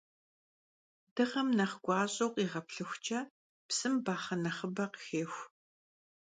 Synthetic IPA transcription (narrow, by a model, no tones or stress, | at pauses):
dɨʁɐmnɐχɡʷɑːɕʼowqʼiːʁɐpɬɨxʷt͡ʃʼɐ | psɨmbaːχɐnɐχəbɐqəxeːxʷ